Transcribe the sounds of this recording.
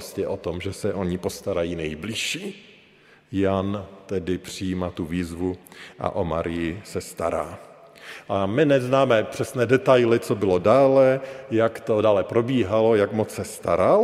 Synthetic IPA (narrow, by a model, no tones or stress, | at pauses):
scɛʔo̞t̪omʒɛsɛʔo̞ɲɪpo̞st̪aɾajiːnɛjbliʃiː | jant̪ɛdɪpr̝̥ɪjiːmat̪uviːzvuʔa̰ʔoma̰ɾɪjɪsɛst̪a̰ɾa̰ː | ʔamɪnɛznaːmɛpr̝̥ɛsnɛːdɛt̪ajlɪt͡sobɪlo̞daːlɛjakt̪odaːlɛpɾo̞biːɦalo̞jakmot͡ssɛst̪aɾal